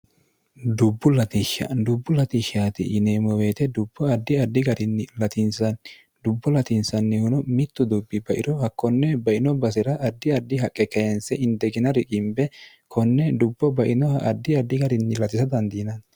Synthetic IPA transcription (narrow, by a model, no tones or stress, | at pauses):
d̪ʊbːʊlɐt̪ɪʃɐ̰d̪ʊbːʊlɐt̪ɪʃaːt̪ɪ̰ʔɪneːmɔweːt̪ɛd̪ʊbːɔɐd̪ːɪɐd̪ːɪɡɐɾɪnːɪlɐt̪ɪnsɐn | d̪ʊbːɔlɐt̪ɪnsɐnːɪhʊnɔmɪt̪ːʊd̪ʊbːɪbɐʔɪɾɔhɐkːɔnːɛbɐʔɪnɔbɐsɪɾɐʔɐd̪ːɪɐd̪ːɪɦɐkʼːɛkɐjɛnsɛʔɪnd̪ɛɡɪnɐɾɪkʼɪmbɛ | kʰɔnːɛd̪ʊbːɔbɐʔɪnɔhɐ̰ʔɐd̪ːɪɐd̪ːɪɡɐɾɪnːɪlɐt̪ɪsɐd̪ɐnd̪iːnɐn